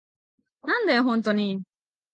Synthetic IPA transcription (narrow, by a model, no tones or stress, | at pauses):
nan̩deɦʊn̩tɔni